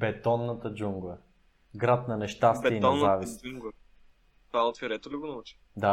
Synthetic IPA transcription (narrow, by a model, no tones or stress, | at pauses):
bɛt̪ɔnːət̪əd͡ʒuŋɡlˠə | ɡɾat̪̚nɐnɛʃt̪ast̪iinɛnzavisuŋɡ | t̪vaot̪fʲiɾɛt̪oliɡʊnot͡ʃi̥ | d̪a